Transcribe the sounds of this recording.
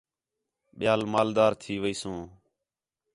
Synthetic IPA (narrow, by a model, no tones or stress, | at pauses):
ɓɪjaːlmaːld̪aːɾt̪ʰiːʋəiːsõː